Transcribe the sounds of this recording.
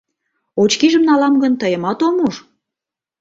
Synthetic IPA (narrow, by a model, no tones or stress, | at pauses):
ot͡ɕkiʒəmnɑlɑmɡənt̪əjə̆mɑt̪omuʃ